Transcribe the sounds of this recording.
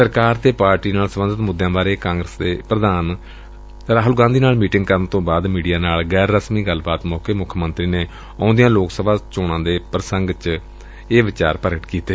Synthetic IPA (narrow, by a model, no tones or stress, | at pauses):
səɾkaːɾt̪eːpaːɾʈiːnaːlsəmənd̪ət̪mʊd̪jãːbaːɾeːkãːŋɡɾəsd̪eːpɾəd̪aːn | ɾaːɦʊlɡãːd̪iːnaːlmiːʈɪ̃ŋɡkəɾənt̪õːbaːd̪miːɖijaːnaːlɡɛːɾːəsmiːɡəlbaːt̪mɔːkeːmʊkʰːmə̃nt̪ɾiːneː | ɔ̃ːʊ̃nd̪ijãːloːksəbʱaːt͡ʃoːɽ̃ãːd̪eːpɾəsəŋɡt͡ʃ | eːʋɪt͡ʃaːɾpəɾəʈkiːt̪eː